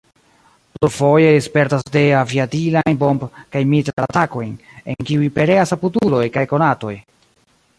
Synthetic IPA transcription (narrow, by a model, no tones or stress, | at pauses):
plufo̞jeespe̞ɾtasde̞aviatilajnbo̞mbkajmitɾaatako̞jnenkiujpe̞ɾe̞asaputulo̞jkajko̞nato̞j